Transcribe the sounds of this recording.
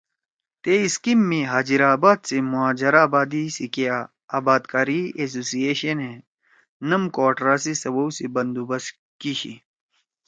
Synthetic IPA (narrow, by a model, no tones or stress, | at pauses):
t̪eiskimːiɦaːd͡ʑiɾaːbaːd̪semuaːd͡ʑɐɾaːbaːd̪isikea | aːbaːd̪kaːɾies̬oːsijeːɕɐnɦe | nɐmkoːʈɾaːsisɐwɐwsibɐnd̪ubɐs | kiɕḭ